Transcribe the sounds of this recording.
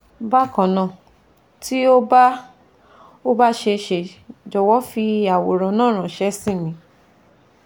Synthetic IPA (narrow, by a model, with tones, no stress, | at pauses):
ba˦˨kã˨nã˨ | ti˦o˦ba˦ | o˦ba˦ʃe˧ʃe˨d͡ʒɔ˨wɔ˦fi˧a˨wo˨ɾɔ̃˨nãː˦˨ɾ̃ã˨ʃɛ˧˦sĩ˦˨nĩ˨˦